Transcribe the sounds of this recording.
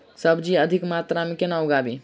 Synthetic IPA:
səbʱd͡ʒiəd̪ʱikmat̪ɾamẽkenaoɡabi

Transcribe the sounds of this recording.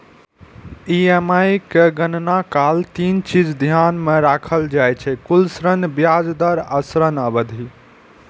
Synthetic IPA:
iemajkeɡənnakalt̪int͡ʃid͡ʒd̪ʱjanmeɾakʰəld͡ʒajt͡ʃʰɛkulsɾənbjad͡ʒd̪əɾasɾənəbəd̪ʱi

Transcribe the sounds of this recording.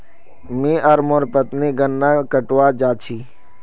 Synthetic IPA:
mĩːʔəɾmoɾpət̪niːɡənːaːkəʈʋaːd͡ʒaːt͡ʃʰiː

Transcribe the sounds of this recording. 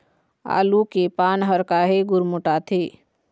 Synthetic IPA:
a̰ːlukepaːnɦəɾkaɦeɡʊɾmʊʈat̪ʰeː

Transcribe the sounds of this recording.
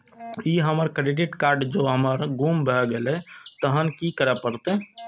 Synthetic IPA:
iɦəməɾkə̃ɖiɖeʈkaɾɖd͡ʒoɦəməɾɡumbʱɛɡelɛt̪əɦənkikəɾɛpəɾt̪e

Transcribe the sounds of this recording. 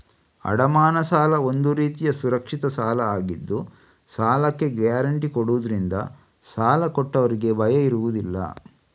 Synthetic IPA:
ɐ̰ɽɐmaːnɐsaːlɐo̞nd̪uɾiːt̪ijɐsuɾɐkʂit̪ɐsaːlɐaːɡid̪ːu | saːlɐkːe̞ɡaːɾɐɳʈikoɽuʋud̪ɐɾind̪ɐ̰ | saːlɐkɔʈːɐʋɐɾiɡe̞bɐjɐiɾuʋud̪ilːɐ̰

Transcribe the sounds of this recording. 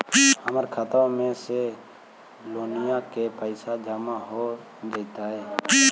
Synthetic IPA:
həməɾkʰat̪ʋãmẽse | loːnɪjãkepəɪsad͡ʒamaɦo | d͡ʒəɪt̪aɦɛː

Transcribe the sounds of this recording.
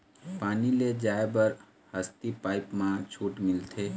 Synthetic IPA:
paːniled͡ʒaːebəɾ | həst̪ipaːɪpmãt͡ʃʰuːʈmɪlt̪ʰe

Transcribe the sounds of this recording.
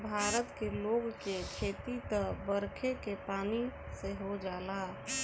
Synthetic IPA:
bʱaːɾət̪keloːɡkekʰeːt̪it̪əbəɾkʰekepaːni | seɦod͡ʒaːla

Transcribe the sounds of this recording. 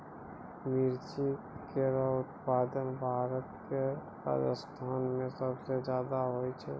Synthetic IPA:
miɾt͡ʃi | keɾaʊt̪paːd̪ənbʱaːɾət̪ke | ɾa̰ːd͡ʒə̰st̪ʰaːnmẽsəbsed͡ʒjaːd̪aɦoit͡ʃʰɛ

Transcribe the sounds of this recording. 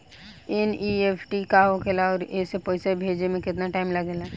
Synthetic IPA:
enieːpʰʈikaɦokʰelaɔːɾesepoːɪsebʱeːd͡ʒemẽkɪt̪naʈaːɪmlɐɡela

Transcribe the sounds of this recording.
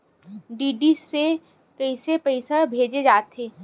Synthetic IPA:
ɖiːɖise | kɐɪsepɐɪsabʱeːd͡ʒed͡ʒaːt̪eː

